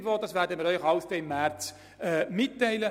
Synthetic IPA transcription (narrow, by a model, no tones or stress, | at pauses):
vɔːd̥ɑsʋæːɾdəmiːɾœʏxɑʊsd̥̪ɛɪmːært͡s | ɛːmɪtːæɪlə